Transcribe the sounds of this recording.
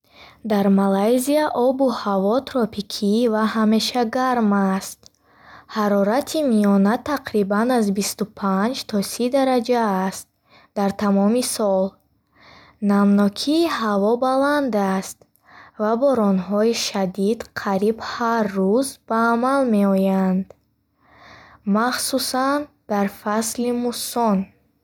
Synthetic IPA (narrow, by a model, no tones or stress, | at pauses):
d̪aɾmalajziaʔɔbuhavɔt̪ʰɾɔpikʰivahame̞ʃaɡaɾmast̪ | haɾɔɾat̪ʰimiɔnat̪ʰaqɾibanazbist̪upʰand͡ʒt̪ʰɔsid̪aɾad͡ʒaːst̪̚ | d̪aɾt̪ʰamɔmisɔl | namnɔkʰiːhavɔbaland̪ast̪ | vabɔɾɔnɦɔiʃad̪id̪qʰaɾibharːuzb̥aːmalme̞ɔjand̪ | maχsusan | d̪̥aɾfaslimusɔn